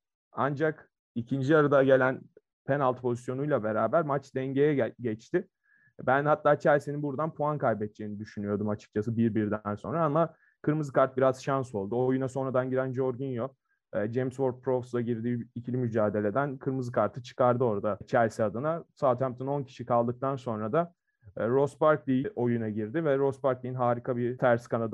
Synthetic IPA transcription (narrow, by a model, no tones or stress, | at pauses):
and͡ʒak | icʰind͡ʒiaɾad̪aɟe̞lʲæn | pʰenalˠt̪pʰo̞zisjo̞nujlˠabe̞ɾaːbæɾmat͡ʃd̪ɛɲɟe̞jɛɟɛt͡ʃt̪ɪ | bænhat̪ːaːt͡ʃʰæɾsininbuɾd̪anpʰuankʰajbɛt̪̚t͡ʃʰeːinid̪yʃynyjo̞ɾd̪umat͡ʃʰɯ̥k̚t͡ʃʰas̬ɯbiɾbiɾd̪ænso̞̰nɾaama | kʰɯɾmɯzɯkʰaɾt̪̚biɾaz̥ʃanso̞lˠd̪uojunaso̞nɾad̪anɟiɾænd͡ʒo̞ɾɡunjoː | d͡ʒemsvoɾt̪̚pʰɾofsˠaɟiɾd̪iːicʰilʲimyd͡ʒaːd̪e̞lʲe̞d̪ænkʰɯɾmɯzɯkʰaɾt̪ʰɯt͡ʃʰɯ̥kaɾd̪ɯo̞ɾd̪at͡ʃʰæɾsiad̪ɯnasaːt̪ʰampt̪ʰɯno̞ncʰi̥ʃikʰalˠd̪ɯk̚t̪ʰanso̞nɾad̪a | ɾo̞spaɾklʲijʔo̞junaɟiɾd̪ɪvɛɾo̞spaɾklʲijinɦaːɾikʰabit̪ʰæɾskʰanad̪